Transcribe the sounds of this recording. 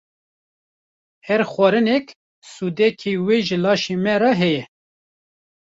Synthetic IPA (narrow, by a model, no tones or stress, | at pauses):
hɛɾxwɑɾɨnɛk | sud̪ɛkʰeweːʒɨlɑːʃemɛɾɑɦɛjɛ